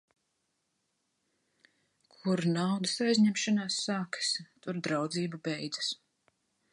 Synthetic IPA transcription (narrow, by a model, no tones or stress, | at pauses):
kʰuɾnawd̪ɐsajzɲɛmʃanaːsːaːkḁst̪uɾd̪ɾawd̪ziːbubɛjd̪zas